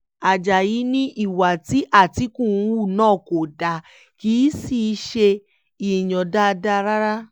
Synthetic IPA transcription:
a˨d͡ʒa˨ji˨˦nĩ˦ʔi˦˨wa˨ti˨˦ʔa˦˨ti˨˦kũ˦˨˦wu˦˨nãː˦˨ko˨da˨ | ki˨˦si˨˧ʃe˧ | i˨j̃ɔ̃˨da˦˧da˦˧ɾa˦ɾa˦

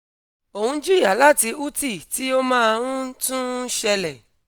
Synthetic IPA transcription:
o˨hũ˧˦d͡ʒu˦˨ja˨˦la˦ti˧u˦ti˦˨ti˨˦o˦mãː˦˧ɾũ˦tũ˦ʃɛ˧lɛ˨

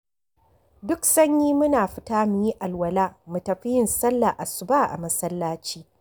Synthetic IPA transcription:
dʊ˦ksɐ˦ɲjiː˦mʊ˦naː˨ɸɪ˦taː˦mʊ˨ji˦ʔa˨lwɐ˨laː˦mu˨tɐ˨ɸɪ˦jɪ˨nsɐ˦lːa˨ʔa˨sʊ˨baː˦˨ʔa̰˨mɐ˦sɐ˦lːaː˦t͡ʃiː˦

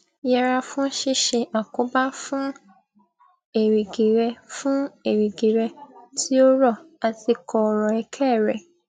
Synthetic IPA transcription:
jɛ˧ɾa˧fũ˦ʃi˦˨ʃe˧a˨ko˨˦ba˦fũ˦ | e˨ɾi˨ɡi˨ɾɛ˧fũ˦e˨ɾi˨ɡi˨ɾɛ˧tʰi˦o˦ɾɔ˦˨ | a˧ti˧kʰɔ˧ɔ˨ɾɔ˨ɛ˧kʰɛ˦˨ɾɛ˨

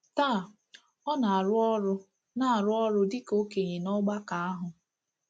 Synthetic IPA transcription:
taː˦˨ | ɔ˦na˨a˨ɾʊ˦ɔ˦ɾʊ˦ | na˨a˨ɾʊ˦ɔ˦ɾʊ˦dɪ˦ko˦ke˨ɲe˨nɔ˦ɡ͡ba˦ka˨a˦ɦʊ˨

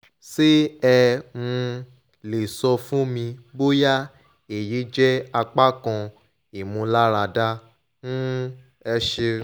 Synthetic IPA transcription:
se˦ɛ˧mũ˧ | le˨sɔ˧fũ˦mĩ˧bo˦ja˦ | e˨ji˨˦d͡ʒɛ˦a˧k͡pa˦kɔ̃˧ | i˨mũ˧la˦ɾa˧da˦ | nũ˦ | ɛ˧ʃe˧

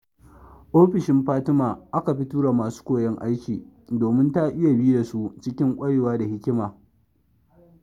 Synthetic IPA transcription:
ʔoː˦ɸɪ˨ʃɪ˦mɸaː˦tɪ˦maː˨ʔa˦ka˨ɸi˦tuː˦ɽa˨maː˨su̥ː˦kʷoː˦˨jɛ˦ŋʔa˦jkʲiː˨doː˨mɪ˦nta˦ʔɪ˦ja˨biː˦da˨su˦t͡ʃɪ˦kʲɪ˦ŋkʷʼɐ˦ɽeː˨waː˦da˨hɪ˦kʲɪ˦maː˨

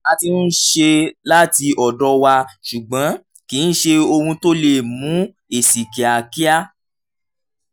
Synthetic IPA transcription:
a˧ti˧n̩˦ʃe˧la˦ti˧ʔɔ˨dɔ˧˦wa˧ʃu˨ɡ͡bã˨˦ | kiː˨˦n̩˦ʃe˧o˧hũ˧to˦le˦˨mũ˨˦ | e˨si˨ki˨a˨ki˦a˦

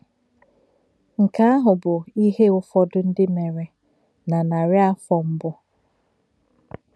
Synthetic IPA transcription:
ŋ̩˨ka˦a˦ɦʊ˨bʊ˨i˦ɦe˦ʊ˦fɔ˦dʊ˦n̩˦dɪ˦me˨ɾe˨ | na˨na˨ɾɪ˦a˦fɔ˨m̩˦bʊ˦

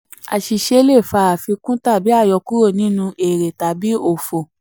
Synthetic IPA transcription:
a̰˨ʃi˧ʃe˧˦le˦˨fa˧˦a˨fi˧kũ˦ta˦˨bi˨˦a˦˨jɔ˧ku˦ɾo˦˨nĩ˨˦nũ˧e˨ɾe˨ta˨bi˨˦o˦˨fo˨

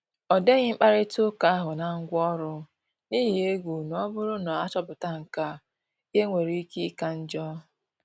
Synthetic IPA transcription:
ɔ˨de˦ɣɪ˦ŋ͡m̩˦k͡pa˦ɾɪ˦tʊ˦ka˦a˦ɦʊ˨na˨ŋ̩˦ɡʷɔ˦ɾʊ˦ | niː˦ɦi˨e˦ɡʷu˨nɔ˦bʊ˦ɾʊ˦nɔ˨a˦t͡ʃɔ˦bʊ˨ta˦ŋ̩˨ka˦ | je˦ŋʷe˨ɾi˦i˦ki˦ka˦n̩˦d͡ʒɔ˦

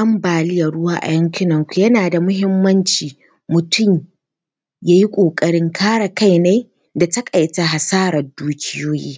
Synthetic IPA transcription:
ʔɐ˦mbaː˨lɪ˦jɐ˨rɽʊ˦waː˦ʔa̰˨jɐ˦ŋkʲɪ˦nɐ˨ŋkʷu˨jɐ˦naː˨da˨mʊ˦ɦɪ˦mːɐ˦nt͡ʃiː˨ | mʊ˨tʰʊ˦˨m | jaː˦ji˦kʷʼoː˨kʼɐ˨ɽɪ˦ŋkʰaː˦ɽa˨ka˦jna˦j | da˨tɐ˦kʼa˨jta˨ɦa˨saː˦ɾɐ˨rduː˦kʲʰɪ˦joː˦jḭː˦

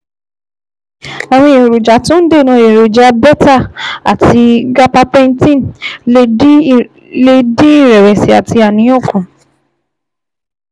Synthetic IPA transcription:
a˨w̃ɔ̃˧je˨ɾo˨d͡ʒa˨˦tũ˦n̩˦de˦˨nɔ̃˧˦je˨ɾo˨d͡ʒa˨˦bɛ˦ta˦˨a̰˨tʰi˧ɡa˦pa˧pɛ̃˦˧n˦tĩ˦nle˧i˦ | le˦˧dĩ˦i˦˨ɾɛ˨ɾɛ˨si˨a˨ti˧a˨nĩ˨˦o˦˨kũ˨

